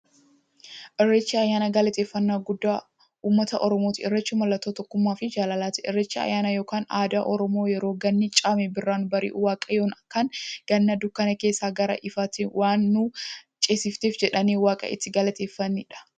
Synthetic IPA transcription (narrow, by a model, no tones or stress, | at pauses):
ʔɪrːɛt͡ʃːiɐjːaːnɐɡɐlɐt̪eːfːɐnːaːɡʊd̪ːaː | uːmːɐt̪ɐʔɔɾɔmoːt̪ɪɪrːɐt͡ʃːʊmɐlːɐt̪ːoːt̪ɔkːʊmːaːfɪd͡ʒaːlɐlaːt̪ɪʔɪrːɛt͡ʃːɪɐ̰jaːnɐjo̞ːkaːnaːd̪aːʔɔɾɔmo̞ːjɛɾo̞ːɡɐnːɪt͡ʃʼaːmɛbɪrːaːnbɐɾɪ̰ːʔʊwaːkʼɐjoːnɐkːɐnɡ̥ɐnːɐd̪ʊkːɐnɐke̞ːsːaːɡɐɾɐ̰ʔɪfat̪ɪwʔaːnːʊt͡ʃʼeːsɪft̪eːfd͡ʒɛᶑɐniːwaːkʼɐ̰ʔɪ̰t̪ːɪɡɐlɐt̪eːfːɐnːiːᶑɐ̥